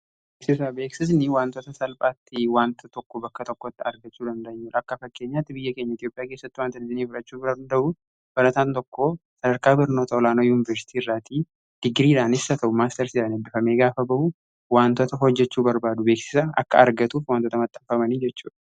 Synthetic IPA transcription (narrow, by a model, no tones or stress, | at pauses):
b | eːksɪs̬ɐbe̞ːksɪs̬nɪwaːnt̪ot̪ɐsɐlpʼaːt̪ːɪwaːnt̪ʰɐt̪ɔkːobɐkːɐt̪ɔkːot̪ːɪɐɾɡɐt͡ʃːuːd̪ɐnd̪ɐɲːuːᶑɐkːɐfɐkːe̞ːɲːaːt̪ːɪbɪjːɐke̞ːɲːɐɪt̪jopʼɪjaːkeːsːɐt̪ːɪwaːnt̪ɐnɪzɪniːfɪɾɐt͡ʃːuːɐɐnd̪ɐʔʊ | b̥ɐɾɐt̪aːnt̪ɔkːoːsɐd̪ɐɾkaːbɪɾno̞ːt̪ɐɔlaːnoːjuːnɪvɐɾsɪ̥t̪iːɪrːaːt̪i | d̪̥ɪɡɾiːᶑaːnɪsːɐt̪ɐʔʊmaːst̪ɐɾsɪsaːnɪmb̪ɪfɐme̞ːɡaːfɐbɐʔʊ | waːnt̪ot̪ɐɦɔd͡ʒːɛt͡ʃːuːbɐɾbaːd̪ʊbe̞ːksɪ̥sɐʔɐ̰kːɐ̰ɐɾɡɐt̪uːfwaːnt̪ot̪ɐmɐt̪ʼːɐmfɐmɐnid͡ʒɛt͡ʃːuːᶑɐ̥